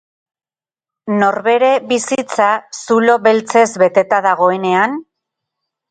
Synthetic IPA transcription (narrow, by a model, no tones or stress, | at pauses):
no̞ɾβe̞ɾe̞βisit͡sasulo̞βe̞lt͡se̞zβe̞t̪e̞t̪aðaɣ̞o̞e̞ne̞an